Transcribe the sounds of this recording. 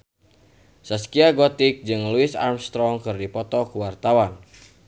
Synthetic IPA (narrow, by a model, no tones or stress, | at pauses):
səskiaɡɔt̪ɪk̚d͡ʒɨŋluɪsa̰rmst̪ɾɔŋkɨrdipɔt̪ɔkuwart̪awan